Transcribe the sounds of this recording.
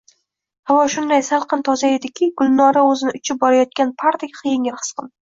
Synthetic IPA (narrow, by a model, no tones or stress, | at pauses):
havɒʃʊnd̪ajsalˠqʰɨnt̪ʰɒzae̞d̪ɪkʲɪɡʊlˠnɒɾaɵzɪnɪʊt͡ʃʰɪp̚bɒɾajɒt̪̚kʲanpʰaɾt̪ʰɪkʲqʰɨjeŋɪɾqʰɨ̥sqʰɨn